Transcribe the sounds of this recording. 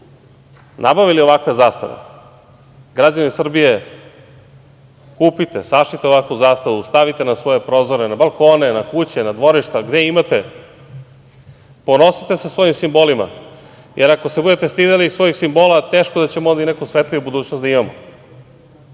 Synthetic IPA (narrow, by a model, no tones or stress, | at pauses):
nʔabaʋilio̞ʋakʋe̞zaːst̪a̰ʋḛ | ɡɾad͡ʑanisr̩bije̞ | kuːpit̪e̞saʃit̪eo̞ʋakʋuzaːst̪aʋust̪aʋit̪enasʋo̞je̞pɾo̞ːzoɾenabalˠko̞ːne̞nakut͡ɕenad̪ʋo̞ɾiʃt̪aɡd̪eimat̪e̞ | po̞no̞sit̪e̞sasʋo̞jimsimbo̞lima̰ | jʔeɾako̞sebud̪et̪est̪id̪elisʋo̞jixsimbo̞ːlat̪e̞ːʃkod̪at͡ɕemod̪inekusʋet̪liʋubud̪uːt͡ɕnosd̪aimamo